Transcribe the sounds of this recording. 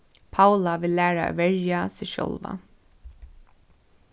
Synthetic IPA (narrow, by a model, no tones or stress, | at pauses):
pʰawlaʋɪlːæːɹa̰ʋɛɹjasɪʃɔ̰lʋa̰